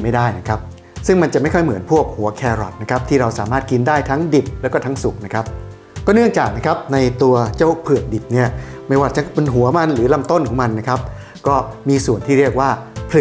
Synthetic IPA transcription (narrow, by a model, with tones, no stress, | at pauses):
ma˥˩jdaː˥˩jna˦˥kʰa˦˥p̚ | sɯ˥˩ŋma˧nt͡ɕa˨˩ma˥˩jkʰɔ˥˩jmɯ˩˦ənpʰu˥˩ək̚hu˩˦ɐkʰɛː˧ɾɔ̰˨˩t̪̚na˦˥kʰa˦˥p̚t̪ʰiː˥˩ɾa˧wsaː˩˦maː˥˩t̪̚ki˧ndaː˥˩jt̪ʰa˦˥ŋdi˨˩p̚lɛː˦˥wkɔː˥˩t̪ʰa˦˥ŋsu˨˩k̚na˦˥kʰa˦˥p̚ | kɔː˥˩nɯ˥˩əŋt͡ɕaː˨˩k̚na˦˥kʰa˦˥p̚na˧jt̪u˧ɐt͡ɕa˥˩wpʰɯ˨˩ək̚di˨˩p̚ni˥˩ɐ | ma˥˩jwaː˧˩t͡ɕa˨˦pe˧nɦu˩˦ɐma˧nɾɯː˩˦la˧mt̪o˥˩nkʰɔː˩˦ŋma˧nːa˦˥kʰa˦˥p̚ | kɔː˥˩miː˧su˨˩ənt̪ʰiː˥˩ɾi˥˩ək̚waː˥˩pʰɯ˨˩